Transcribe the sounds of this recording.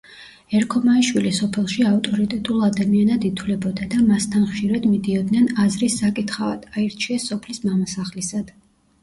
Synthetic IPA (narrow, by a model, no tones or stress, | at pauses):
ɛɾkʰɔmaiʃwilisɔpʰɛlˠʃiaft̪ʼɔɾit̪ʼɛt̪ʼulˠad̪amianad̪it̪ʰwlɛbɔd̪ad̪amast̪ʰanχʃiɾad̪mid̪iɔd̪nɛnazɾisːakʼit̪χavad̪̥aiɾt͡ʃʰiɛsːɔpʰlismamasaχlisad̪̥